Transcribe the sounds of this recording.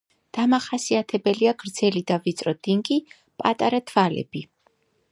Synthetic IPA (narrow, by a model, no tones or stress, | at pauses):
d̪̥amaχasiat̪ʰɛbɛliaɡɾd̪zɛlid̪avit̪sʼɾɔd̪̥iŋɡi | pʼat̪ʼaɾat̪ʰvalɛ̰bi